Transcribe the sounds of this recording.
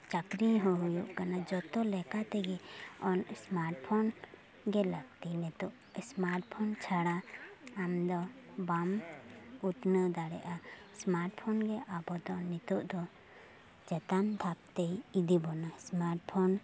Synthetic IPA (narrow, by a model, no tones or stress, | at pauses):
t͡ʃakɾiɦɔɦujuʔkanad͡ʒɔt̪ɔlɛkat̪ɛɡɛɔnsmaɾʈpʰɔn | ɡɛlaɡ̚t̪inɛt̪uʔ | smaɾʈpʰɔnt͡ʃʰaɽaː | md̪ɔbam | uʈ̪nəd̪aɽɛʔa | smaɾʈpʰɔnɡɛʔabɔd̪ɔnɛt̪uʔd̪ɔ | d͡ʒɛt̪and̪ʰʱap̚t̪ɛjid̪ibɔnasmaɾʈpʰɔn